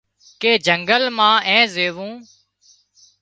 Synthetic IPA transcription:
keːd͡ʒəŋɡəlmãːʔɛ̃ːzeːʋũː

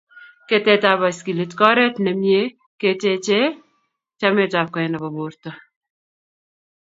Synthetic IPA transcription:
ket̪eːt̪aːbɐskilet̪kɔːɾet̪nɐmje | ketet͡ʃe | t͡ʃɐmet̪aːb̚kɐjnɐbɐboːɾt̪ɐ

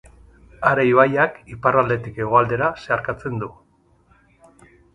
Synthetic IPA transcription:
aɾejβajakiparald̪e̞t̪ike̞ɣ̞o̞ald̪e̞ɾase̞aɾkat͡se̞nd̪u

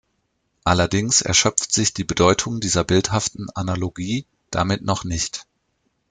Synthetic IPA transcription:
ʔalɐdɪŋsɛ̰ɐʃœp͡ftz̥ɪçd̥iːbədɔʏtʰʊŋdiːzɐbɪlthaftn̩analoɡiː | d̥amɪtnɔχnɪçt

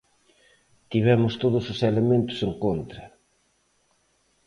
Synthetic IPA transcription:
t̪iβ̞ɛmʊst̪oðʊsoselemẽnt̪ʊ̥seŋkont̪ɾɐ

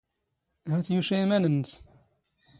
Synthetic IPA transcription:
hæθjuʃimænənːs

